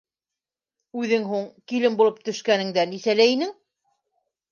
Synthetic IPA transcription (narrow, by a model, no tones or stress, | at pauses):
ʉðɘŋɦuɴkilɘmbulˠɤp̚t̪ɵ̆ʃkænɘ̆ŋd̪ænisælæinɘŋ